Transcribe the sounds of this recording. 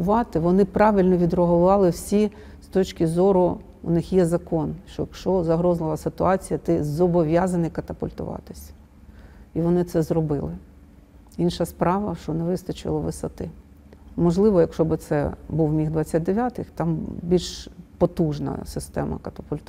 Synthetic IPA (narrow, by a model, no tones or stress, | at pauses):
ʊʋɑt̪ɪʋɔnɪpɾɑʋʲilʲnɔʋʲid̪rɔɦɔʋɑlˠɪwsʲi | st̪ɔt͡ʃʲkʲɪzɔɾʊ | ʊnɪxjɛzɐkɔnʃt͡ʃɔ̰jɐkʃɔzɐɦɾɔzlˠɪlˠɐsɪt̪ʊɑt͡sʲijɐt̪ɪzɔbɔʋʲjazɐnɪjkɐt̪ɐpʊlʲt̪ʊ̰ʋɑ̰t̪ɪsʲ | iʋɔnɪt̪sɛzɾɔbɪ̰lˠɪ | inʃɐspɾɑʋɐʃt͡ʃɔnɛʋɪst̪ɐt͡ʃɪ̰lˠɔʋɪsɐt̪ɪ | mɔʒlˠɪʋɔjɐkʃɔbɪt̪sɛ̰buwmʲiɦd̪ʋɑt͡sʲːat̚ʲd̪eʋʲjat̪ɪxt̪ɑmbʲilʲʃpɔt̪uʒnɐ̰sɪst̪ɛ̰mɐ̰kɐt̪ɐpʊlʲt̪